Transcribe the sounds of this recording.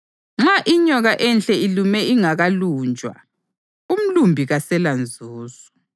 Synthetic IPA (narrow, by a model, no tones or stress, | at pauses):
ŋ͡ǁaʔiɲɔɣaʔɛnɬʼɛilumɛiŋaɣaluːnd͡ʒʱʼwa̰ | um̩lumbʱiɣasɛland͡zʱuːzu